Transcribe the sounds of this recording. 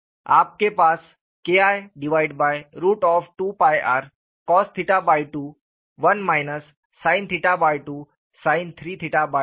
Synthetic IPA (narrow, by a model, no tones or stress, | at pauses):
a̰ːp̚kepaːs | keajɖiʋajɖbajɾuːʈɔːfʈuːpajʔa̰ɾ | kɔːst̪ʰiʈabajʈuː | ʋənmajnəsː | ãɪnt̪ʰiʈabajʈuː | saɪnt̪ʰɾiːt̪ʰiʈaba